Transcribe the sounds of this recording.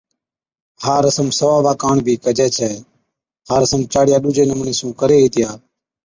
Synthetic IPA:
haːɾəsəmsəʋaːʋaːkaːɳbʱiːkəd͡ʒɛːt͡ʃʰɛː | ɦaːɾəsəmt͡ʃaːɽɪjaːɗuːd͡ʒeːnəmɳeːsũːkəɾeːɦiːt̪ɪjaː

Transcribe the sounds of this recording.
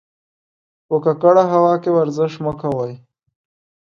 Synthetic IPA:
pəkakaɽaɦawɑkewaɾzɪʃməkʰawaj

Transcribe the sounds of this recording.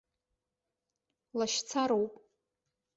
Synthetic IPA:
laʃt͡sʰaɾowpʼ

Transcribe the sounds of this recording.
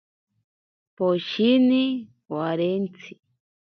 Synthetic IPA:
poʃini | waɾent͡sʰi̥

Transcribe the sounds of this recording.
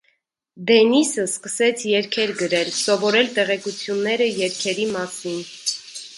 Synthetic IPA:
d̪ɛnisəskəsɛt͡sʰjɛɾkʰɛɾɡəɾɛlsɔvɔɾɛlt̪ɛʁɛkut͡sʰjunːɛɾəjɛɾkʰɛɾimɑsin

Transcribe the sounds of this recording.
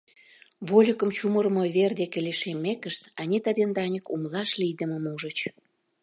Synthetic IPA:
βolʲəkə̆mt͡ɕumə̆ɾmoβerd̪ekeleʃemːekəʃt̪ɑnʲit̪ɑd̪end̪ɑnʲəkumlɑʃlijd̪ə̆mə̆muʒə̆t͡ɕ

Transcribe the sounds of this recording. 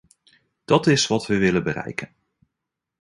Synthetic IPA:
d̥ɑtɪsʋɑtʋəʋɪlənbərɛ̰jkən

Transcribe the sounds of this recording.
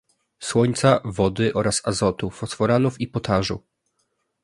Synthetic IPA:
swɔɲt̪savɔd̪ɘʔɔɾasazɔt̪ufɔsfɔɾanufipɔt̪ʰaʐṵ

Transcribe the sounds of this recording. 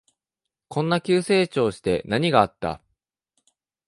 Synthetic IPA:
kʰõ̞nːakʲɨːse̞ːt͡ɕo̞ːɕi̥t̪e̞naɲ̟iɡaːt̪ːa̰

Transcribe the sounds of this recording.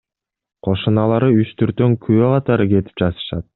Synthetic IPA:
qʰo̞ʃunɑlˠɑɾɯyt͡ʃt̪ʰyɾt̪øŋkʰyøqʰɑt̪ɑɾɯke̞t̪i̥p̚d͡ʒɑt̪ɯ̥ʃɑ̰t̪̚

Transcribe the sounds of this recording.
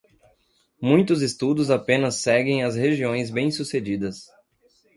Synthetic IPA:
mũj̃t̪ʊzest̪ud̪ʊzapẽnɐsːɛɡẽj̃ɐzheʒiõj̃zbẽj̃sused͡ʒid̪ɐs

